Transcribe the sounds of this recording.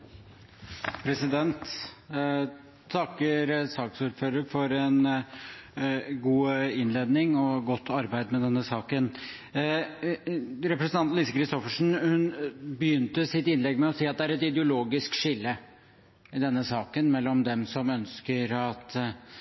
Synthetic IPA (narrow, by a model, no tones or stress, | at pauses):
pʰɾɛsɪd̪ɛnt̪ | t̪ʰɑkːəɾsɑːksuːɾføːɾəɾfɔɾɛn | ɡuːɪnleːd̪nɪŋɔɡɔt̪ːɑɾbæɪd̪mɛd̪ɛnːəsɑːkən | ɾɛpɾɛsənɑnt̪lisəkʰɾɪst̪ɔfəʂɳ̩hʉnbəjʏnt̪əsɪt̪ɪnlɛɡmɛɔsiːɑt̪̚d̪ɛæɾɛt̪ɪd̪əʊloːɡɪskʂɪlːə | ɪd̪ɛnːəsɑːkənmɛlːɔmd̪ɛmsɔmœnskəɾɑt̪